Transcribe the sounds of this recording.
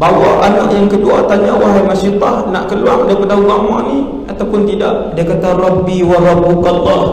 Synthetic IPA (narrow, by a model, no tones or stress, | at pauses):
bawaanaʔjaŋkəduat̪aɲawaɦajmaʃit̪ahna̰ʔkəluaŋdaipadauɣamaʔni | at̪awpʊnt̪idaʔdiakat̪arɑbiwaɾabukalːɑh